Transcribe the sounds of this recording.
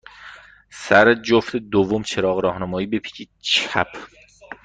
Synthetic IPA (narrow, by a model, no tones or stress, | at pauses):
sæɾed͡ʒoft̪ed̪ovːomt͡ʃʰeɾɒːɣɾɒːhnæmɒːjiːbepʰi̥cʰi | t͡ʃʰæ̰pʰ